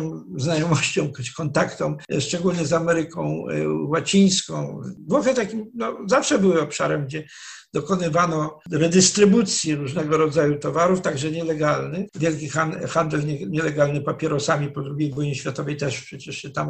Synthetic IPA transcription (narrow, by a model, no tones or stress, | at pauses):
znajɔmɔɕt͡ɕɔ̃w̃kkɔnt̪akt̪ɔ̃mʂt͡ʂɛɡulɲɛzamɛɾɘkɔ̰̃w̃wat͡ɕij̃skɔ̃w̃vwɔxɛt̪akʲimnɔzafʂɛbɘwɘɔpʂa̰ɾɛmɡd͡ʑɛ | d̪̥ɔkɔnɘvanɔɾɛd̪ɘst̪ɾɘbut̪sʲjɛɾuʐnɛɡɔɾɔd̪zajut̪ɔvaɾuft̪aɡʐɛɲɛlɛɡalnɘvʲjɛlkʲixaxand̪ɛlɲɛɲɛlɛɡalnɘpapʲjɛɾɔsamʲipɔd̪ɾuɡʲejvujɲiɕfʲjat̪ɔvɛjt̪ɛʂpʂɛt͡ɕɛʂɕɛt̪am